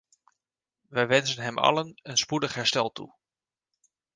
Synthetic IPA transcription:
ʋɛjʋɛnzənɦɛmʔɑ̰lənənspudəχɦɛɹstɛlˠtṵ

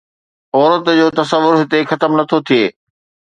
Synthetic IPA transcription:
ɔːɾət̪d͡ʑoːt̪ɐsəʋːʊɾɦɪt̪exɐt̪əmnɐt̪ʰot̪ʰijeː

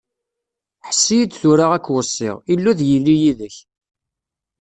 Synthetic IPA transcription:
ħsːijid̪θuɾaʁækːwəsˤːɪ̰ʁilːuðjilːijiðəç

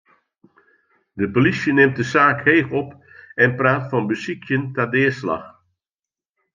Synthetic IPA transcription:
dəpolisjənɪmt̚dəsaːkheːfɔp | ɛnpraːtfɔnbəsikʰjəntadɪːsla̰x

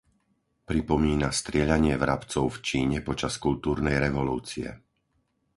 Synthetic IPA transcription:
pɾipɔmiːnast̪ɾɪɛʎaɲɪɛvɾapt͡sɔʊft͡ʃiːɲɛpɔt͡ʃaskult̪uːɾnɛjɾɛʋɔluːt͡siɛ̰

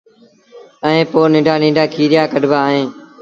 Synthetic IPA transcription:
əẽːpoːnɪ̃ːɖaːnĩːɖaːkʰiːɾɪjaːkəɖbaːɦẽː

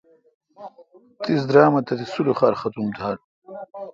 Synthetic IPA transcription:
t̪is̬d̪ɾaːmɐt̪ɐt̪isuluχaːɾχɐt̪umt̪ʰaːl

